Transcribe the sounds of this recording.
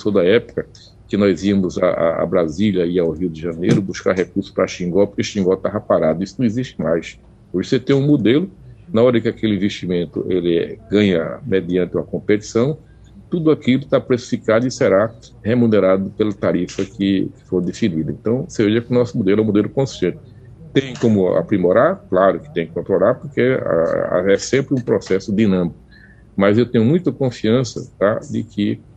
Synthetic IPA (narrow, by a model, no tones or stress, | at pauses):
sod̪ɐɛpʊ̥kɐ | kɪnɔjziɐmʊza̰ʔa̰a̰bɾaziljɐiawɦiʊd̪ɪʒɐ̃nejɾʊbuskaɾɦekuɾsʊ̥pɾɐʃĩŋɡɔwpoɾkeʃĩŋɡɔt̪avɐpaɾad̪ʊisʊnɐ̃iziʃt̪ɪmajs | poɾset̪ẽj̃ũmod̪elʊnaɔɾɐkɪakelɪĩveʃt̪imẽnt̪ʊ̰ʔelɪɡɐ̃ɲɐ̰med̪iɐ̃nt̪ɪũmɐkõmpet̪i̥sɐ̃w̃ | t̪ud̪ʊakilʊt̪apɾesi̥fikad̪ʊɪseɾa | hemuneɾad̪ʊpelɐt̪aɾifɐkɪkɪ̥foɾd̪efinid̪ɐẽnt̪ɐ̃w̃seveʒɐkɪʊnɔsʊmod̪elɛũmod̪elʊkõst̪ẽnt̪ɪ̥ | t̪ẽj̃kõmʊa̰pɾimoɾaɾklaɾʊkɪ̥t̪ẽj̃kɪ̥kõnt̪ɾolaɾpoɾkḛ | ɛsẽmpɾɪũpɾɔsɛsʊd̪inɐ̃mikʊ | mɐzewt̪ẽɲʊmũj̃t̪ɐkõfiɐ̃sɐ̰t̪ad̪ɪkʰɪ